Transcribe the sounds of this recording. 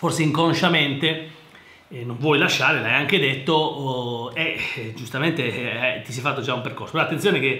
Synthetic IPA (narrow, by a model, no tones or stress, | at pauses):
forseiŋkonʃament̪e | nõɱvwɔjlaʃːaːɾelaajaŋk̟ed̪et̪ːo | ed͡ʒust̪ament̪eɛt̪ːisɛfat̪ːod͡ʒaumperkoɾsopɾɔat̪ːent̪sjoːneke